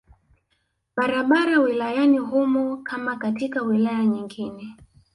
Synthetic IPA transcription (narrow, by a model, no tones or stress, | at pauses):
ɓaɾaɓaɾawilajaniɦumɔkʰamakatikawilajaɲiŋɡinɛ